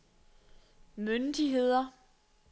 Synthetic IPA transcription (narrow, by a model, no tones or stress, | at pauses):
mønd̥iɦe̝ð̞̰ˠɐ